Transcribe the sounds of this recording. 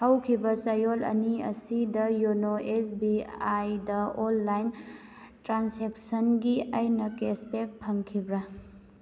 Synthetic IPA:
hɐwkʰibɐsɐjolɐ̰niɐ̰sidɐjonoʔesbiajdɐolːajn | tɾanseksɐnɡiɐjnɐkespek̚pʰɐŋkʰibɾa

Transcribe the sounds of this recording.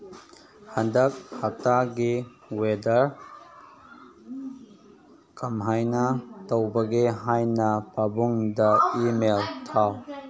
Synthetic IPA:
hɐndɐk̚hɐk̚taɡi | wedɐɾ | kɐmɦajnɐtɐwbɐɡeɦajnɐpabuŋdɐimeltʰaw

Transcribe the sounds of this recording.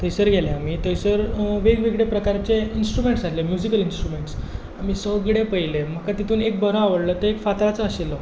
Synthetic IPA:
t̪əjsəɾɡʱelẽamit̪əjsəɾʋeɡʋiɡɽepɾəkaɾt͡ɕeinsʈɾumeɳʈsalemjud͡ʑikəlinsʈɾumeɳʈs | am̤iːsəwɡɽepəjlem̤əkat̪it̪ʰuːnek̚bəɾəaʋəɽlət̪əekfat̪ɾat͡səːɕilːɔ

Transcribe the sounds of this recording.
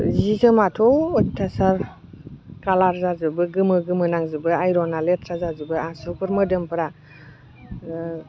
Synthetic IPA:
zikʰɯmatʰɔɔtʰːasaɾ | kalaɾzazɯbɯɡɯmɯɡɯmɯnaŋzɯbɯajɾɔnaletʰɾazazɯbɯasukɯɾmɯdɯmpɯɾa

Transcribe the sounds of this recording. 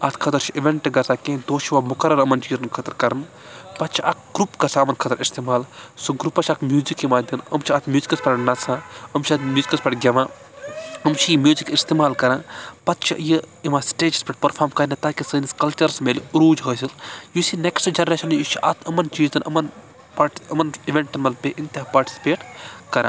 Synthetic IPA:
ɐt̪ʰkʰɐt̪ɐɾt͡ʃʰiiʋeɳʈɡɐsʰaːkẽːd̪oːt͡ʃʰiʋamukɐɾɐnəmɐnt͡ʃiːzɐnkʰɐt̪ɐɾkɐɾɐn | pɐt̪̚t͡ʃʰiʔɐk̚ɡ̥ɾupɡɐsaːɐmɐnkʰɐt̪ɐɾist̪emaːlsoɡɾupɐt͡ʃʰɐkmjuːzikimaːd̪ʲɐnə̰mt͡ʃʰiɐt̪ʰmjuːzikɐspʲeʈnɐt͡sʰãəmt͡ʃʰɐt̪mjuːzikɐspʲeʈɡʲɐʋãː | əmt͡ʃʰimjuːzikist̪eːmaːlkɐɾãːpɐt̪t͡ʃʰḭʔjiimãsʈeːd͡ʒspʲeʈ̚pɐɾpʰaːɾmkɐɾnet̪aːkisəːniskɐlt͡ʃɐɾsmeliɾuːd͡ʒɦəːsiljusineksʈd͡ʒɐnɾeːʃɐnjut͡ʃʰiʔɐt̪ʰɐmɐnt͡ʃiːzd̪ɐnɐmɐn | paːɾʈəmɐniʋeɳʈɐnmɐlpʲeʔint̪ʲpaːɾʈi̥si̥peːʈkɐɾʔã̰

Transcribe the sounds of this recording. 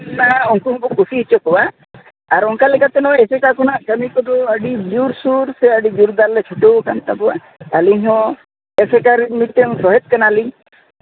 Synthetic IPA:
naaɔŋkuɦɔ̃bɔkusiɦit͡ʃɔkɔwa | aɾɔŋkalikat̪ɛnɔesekakɔnaʔkəmikɔt̪uəɖid͡ʒuɾsuɾseəɖid͡ʒuɾd̪alːet͡ʃʰuʈowkant̪akɔwa | aliɲɦɔ̃ | esekaɾmit̪ːɔŋsɔɦet̪̚kanaliŋ

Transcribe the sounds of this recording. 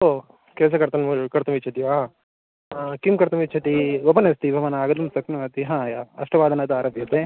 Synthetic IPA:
o | kɛːs̬ɐkɐɾt̪ɐnukɐɾt̪ɐmit͡ʃʰɐt̪iʋaː | kimkɐɾt̪ɐmit͡ʃʰɐt̪iʋɐpɐnɐst̪ibʱɐʋɐnaːɡɐd̪ɐmsɐknuɐt̪iɦãːjaɐ̰ʂʈɐʋaːd̪ɐnɐt̪uaːɾɐbʱjɐt̪e

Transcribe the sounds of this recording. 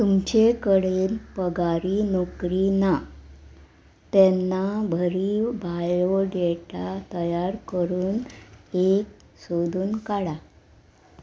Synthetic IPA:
t̪umt͡ɕekəɽeːnpəɡaɾinɔkɾina | t̪ɛnːabʱəɾiːbʱajoɖeʈat̪əjaɾkəɾuːnek̚ | sod̪ʱuːnkaɽa

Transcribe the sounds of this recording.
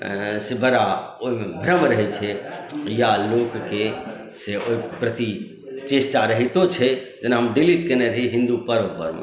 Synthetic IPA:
sebəɾaoɦimebʱɾəmɾəɦɛt͡ʃʰɛjalokke | seoipɾət̪i | t͡ʃesʈaɾəɦit̪ot͡ʃʰɛt̪enaɦəmɖiliʈkeneɾəɦiɦĩnd̪upəɾəpə̰ɾmḛ

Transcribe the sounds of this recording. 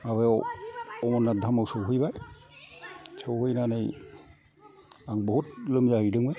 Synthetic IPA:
aβajawɔmɔnːadʱamawsɯwɦɯjbaj | sɯwhɯjnanɯj | aŋbɔhut̚lɯmzahɯjdɯŋbɯj

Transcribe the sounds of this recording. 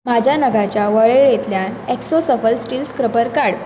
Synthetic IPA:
m̤ad͡ʑʱjanəɡat͡ɕjaʋəɭeɭjet̪ljanɛksosəfəlsʈiːlskɾəpəɾkaɽ

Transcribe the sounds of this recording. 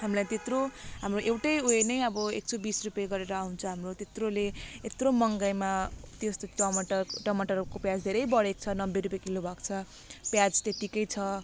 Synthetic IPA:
ɦamlajt̪et̪roɦamroʔewʈʌjoenʌjʌbʌek̚t͡sʰobisrupjaɡʌɾeɾʌaw̃nt͡sʰʌ̃ɦamrot̪et̪roleet̪romʌŋɡajmat̪jost̪oʌmʌʈʌrʈʌmʌʈʌrkopjad͡zd̪ʱeɾʌjbʌɽek̚t͡sʰʌnʌbːeɾupjekilobʱʌkt͡sʰʌ | pjad͡zt̪et̪ikʌjt͡sʰʌ

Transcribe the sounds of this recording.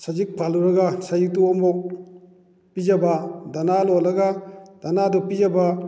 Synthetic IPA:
sazik̚pʰaluɾɐɡasajik̚tuɔmbɔ | pid͡ʒɐbadanalɔlɐɡad̥anadɔpid͡ʒaba

